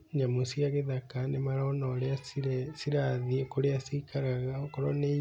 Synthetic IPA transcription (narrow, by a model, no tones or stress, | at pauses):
ɲamosiaɣeðakanemaɾaonɔɾeassiɾaðikoɾeasikaɾaɣaokɔɾɔne